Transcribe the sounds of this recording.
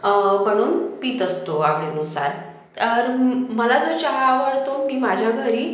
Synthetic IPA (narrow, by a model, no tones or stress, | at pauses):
məɽ̃uːnpiːt̪əst̪oamlenusa̰ɾ | t̪əɾməlad͡zət͡ɕaɦaʋəɽt̪omiːmad͡ʑʱjaɡʱəɾiː